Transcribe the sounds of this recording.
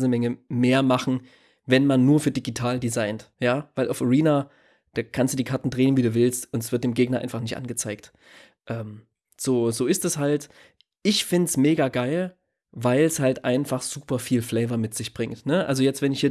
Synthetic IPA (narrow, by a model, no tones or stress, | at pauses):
znəmɛŋəmeːɐmaχn̩ | vɛnmanːuːɐfyːɐdiɡitʰaːldizaɪntjaːvaɪlʔaʊfaʁiːnaː | d̥aːkʰanstd̥uːd̥iːkʰaɐtn̩dʁeːənviːduːvɪlstʊntɛsv̥ɪɐt̚d̥eːmɡeːɡnɐʔa̰ɪnfaχnɪçtʔa̰nɡət͡saɪk̚t | ʔɛːm | z̥oːzoːɪstɛshalt | ʔɪçfɪntsmeːɡaɡaɪl | vaɪlshaltʔaɪnfaχz̥uːpɐfiːlflɛɪvɐmɪtz̥ɪçb̥ʁɪŋtnəʔa̰lzojɛt͡stvɛnɪçhiːɐ